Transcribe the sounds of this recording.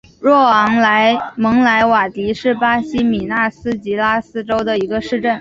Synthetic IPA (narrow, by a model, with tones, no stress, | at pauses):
ɻwɔ˥˩ɑ˧˥ŋla˧˥ɪmɤ˧˥ŋla˧˥ɪwa˨˩t̪i˧˥ʂɻ̩˥˩pa˥ɕi˥mi˨˩na˥˩sɹ̩˥t͡ɕi˧˥la˥sɹ̩˥ʈ͡ʂo˥ʊd̪ə˨i˧˥ɡə˧ʂɻ̩˥˧ʈ͡ʂə˥˩n